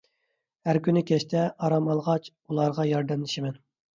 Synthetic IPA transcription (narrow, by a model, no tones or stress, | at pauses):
hæɾkʲynɪkʲʰɛʃt̪ʰɛʔɑɾɑmɑlˠʁɑt͡ʃ | ulˠɑɾʁɑjɑɾd̪ɛnlɪʃɪmɛn